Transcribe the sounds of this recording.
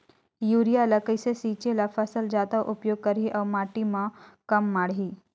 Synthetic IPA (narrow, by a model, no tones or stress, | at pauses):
juːɾijalɐkəisesiːt͡ʃelapʰɐsəld͡ʒaːt̪əʔʊpjoːɡ̚kɐɾiʔɔːɾmaːʈimãkɐmːaːɽiː